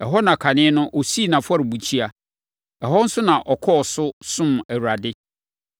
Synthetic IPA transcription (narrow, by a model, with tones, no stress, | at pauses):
ɛ˨ɦɔ˦nã˨kʰa˨nɪ̃˦nʊ̃˦ʔɔ˨si˦˨nã˨fɔ˦ɾɪ˨bu˨t͡ɕʰi˦a˨ | ɛ˨ɦɔ˦n̩˦sʊ˦nã˨ʔɔ˨kʰɔ˦ɔ˨sʊ˦sʊ̃˦mæ˨wɾa˨dɪ˦